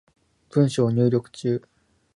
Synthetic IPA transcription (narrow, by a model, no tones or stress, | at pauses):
pɯ̟̃ɰ̃ɕo̞ːɲ̟ɨːɾʲo̞kɯ̟̥t͡ɕɨː